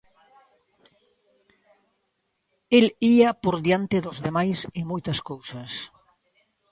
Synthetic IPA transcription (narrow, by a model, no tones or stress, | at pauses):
eliapoɾðjant̪ɪðʊzðemajsɪmojt̪ɐskowsɐs